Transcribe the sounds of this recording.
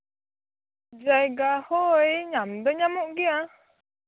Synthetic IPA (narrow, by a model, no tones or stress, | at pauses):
zajɡahoəjɲamd̪əɲamoɡia